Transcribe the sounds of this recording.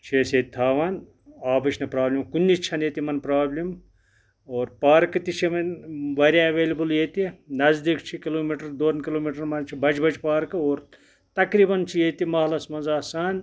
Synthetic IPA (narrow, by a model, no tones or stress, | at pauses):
t͡ʃʰeːset̪̚ʲt̪ʰaːʋɐn | aːbɐt͡ʃʰnɐpɾaːblʲimkunʲːit͡ʃʰɐnet̪imɐnpɾaːblʲim | oːɾpaːɾkɐt̪it͡ʃʰimɐnʋɐɾjaɐʋeːlʲibɨljeːt̪inɐzd̪ikt͡ʃʰikiloːmiʈɐɾd̪oːnkiloːmiʈɐɾmɐnt͡ʃʰibɐd͡ʒbɐt͡ʃpaːɾkɨoːɾ | t̪ɐkɾiːbɐnt͡ʃʰijeːt̪imɐːlɐsmɐnzaːsaːn